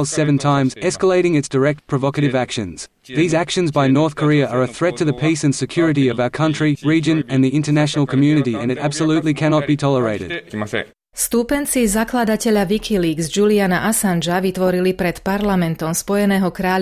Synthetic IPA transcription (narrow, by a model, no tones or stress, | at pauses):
lˠsɛvə̃ntʰãɪ̃mzɛskəleɪɾɪ̃ŋɨtsd̥əɹɛk̚t̚pʰɹ̥əvɑkɨɾɪvækʃɨ̃nz̥ | ðiːzækʃə̃nzbaɪnɔɹθkʰə˞iəə˞əθɹɛtʰɨðəpʰisɨ̃nsɨkʰj̥ʊɹɨɾiʌvaʊə˞kʰʌ̃nt͡ʃɹ̥iɹiːd͡ʒɨ̃nɨ̃nðiɪ̃ntə˞næʃənl̩ˠkʰəmjʉːnɨɾiɨ̰̃nɨɾæb̥səlʉˑtˡlikʰæñɑt̚b̥itʰɔlˠəɹeɪɾɪ̰d̪̥ | st̪upɛnt͡sizaklad̪acɛʎaʋikʰiliːɡzd͡ʒulianaʔasand͡ʒaʋit̪ʋɔɾilipɾɛt̪paɾlamɛnt̪ɔmspɔjɛnɛːɦɔkɾaː